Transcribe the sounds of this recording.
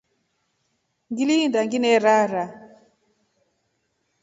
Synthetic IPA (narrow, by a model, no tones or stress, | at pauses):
ŋɡilindaŋɡinɛɾaɾa